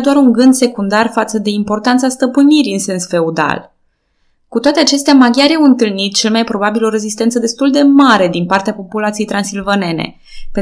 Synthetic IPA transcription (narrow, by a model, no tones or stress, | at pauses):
d̪oaɾuŋɡɨnd̪se̞kund̪arfat̪səd̪e̞impo̞rt̪ant̪sast̪əpɨniɾiɨnse̞nsfe̞ud̪a̰l | kut̪oat̪e̞at͡ʃe̞st̪eamaɡʲjaɾiawɨnt̪ɨlnit̪̚t͡ʃe̞lmajpɾo̞babilo̞ɾe̞zist̪ent̪səd̪e̞st̪uld̪e̞maɾe̞d̪inpart̪eapo̞pulat̪sijejt̪ɾansilvane̞nḛ | pe